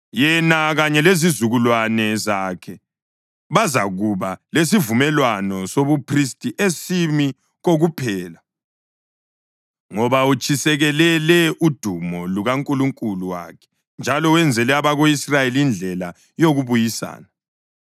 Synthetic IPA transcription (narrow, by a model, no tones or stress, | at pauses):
jɛnaɣaɲɛlezizuɣulwanɛzakʰɛ | βazaɣuβales̬ivumɛlwanɔsoβupʰristʼiʔesimi | ɣoɣupʰɛːla | ŋɔβaut͡ʃʰʼisɛɣɛlɛlɛʔud̥ʱumɔluɣaŋkʼuluŋkʼuluwa̰kʰɛ̥ | nd͡ʒʱalɔwɛnd͡zʱɛlɛaβaɣoisrajeliind͡ɮʱɛla | joɣuβujisa̰ːna